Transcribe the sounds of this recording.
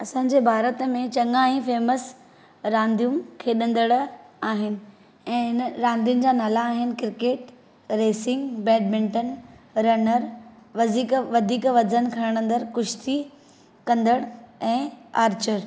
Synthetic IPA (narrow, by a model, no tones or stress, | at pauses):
ɐsãːɲ̆d͡ʑeːbʱaːɾət̪mẽt͡ɕɐŋaĩfeːməs | ɾãːnd̪ʱijumkʰeːɗɐ̃nd̪əɽaːɦɪnɪ̆ | ɛ̃ːɪnəɾãːnd̪ijʊnɪ̆d͡ʑaːnaːlaːɦɪnɪ̆kɪɾkeːʈ | ɾeːsɪ̃ŋɡbɛːɖ̚mɪ̃ɳʈən | ɾɐnəɾʋɐd̪ʱiːkʋɐd̪ʱiːkʋɐzənkʰɐɾ̃əɽ̃ə̃nd̪əɾkʊʃt̪i | kɐ̃nd̪əɽɛ̃ːaːɾt͡ɕəɾ